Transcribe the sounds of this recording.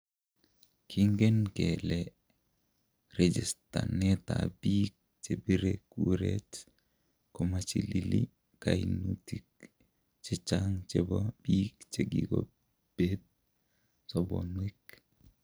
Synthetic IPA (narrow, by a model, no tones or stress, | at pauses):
kʰiŋɡenkele | red͡ʒistanɛta̰biːk̚t͡ʃebiɾekuɾet | kɔmat͡ʃilili | kajnutik̚ | t͡ʃit͡ʃaŋt͡ʃɛbabiːkt͡ʃeɡiɡo̰ | b̥et̚ | sɔbɔnwik